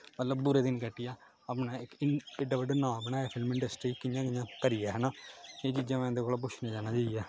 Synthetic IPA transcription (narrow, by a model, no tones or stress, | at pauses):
mət̪ləbbuɾeːd̪ɪnkəʈːɪjaː | aːpnãːɪkɪeɖaːbəɖaːnãːbəñaːeːpʰɪlmɪ̃ɳɖəsʈɾiːkɪjãːkɪjãːkəɾɪjaːɦɛːnaːeːt͡ʃiːd͡ʒãːmɛ̃ːd̪eːkoːlaːp̬ʊʃʰnẽːd͡ʒaːnaːd͡ʒaːɪjɛː